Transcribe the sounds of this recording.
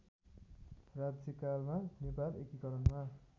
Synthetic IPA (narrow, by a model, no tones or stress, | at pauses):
rad͡zikalmanepalḛkikʌɾʌnma